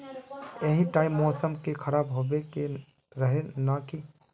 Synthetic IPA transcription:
eɦĩʈaːɪmːɔːsəmkekʰəɾaːbɦobeke | ɾəɦenaki

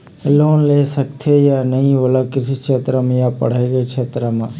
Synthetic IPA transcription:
loːnlesək̚t̪ʰejanəɦĩʋolakɾɪsit͡ʃʰet̪ɾəmjapə̰ɽ̤eɡet͡ʃʰet̪ɾəmã

